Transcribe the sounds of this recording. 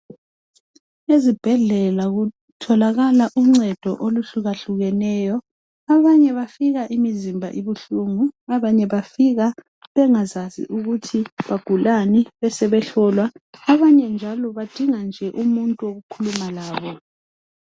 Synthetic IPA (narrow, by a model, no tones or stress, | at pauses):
ezib̥ʱɛɮɛlaɣu | tʰɔlaɣalaʔuŋ͡ǀɛd̥ʱɔ̰ʔoluɬuɣaɬuɣɛnɛːjɔ | aβaɲɛβafiɣaʔimizimbʱa̰ʔiβuɬuːŋuaβaɲɛβafiɣa | βɛŋazasḭʔuɣutʰiβaɡ̥ʱulaniβɛsɛβɛɬɔlwaːβaɲɛnd͡ʒʱalɔβad̥ʱiŋand͡ʒʱɛʔumuntʼuoɣukʰulumalaːβɔ